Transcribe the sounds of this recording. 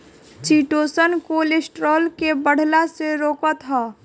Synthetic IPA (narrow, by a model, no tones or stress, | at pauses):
t͡ʃiːʈoːsənkolesʈɾɔːlkebəɽ̤laseɾoːkət̪ɦɔː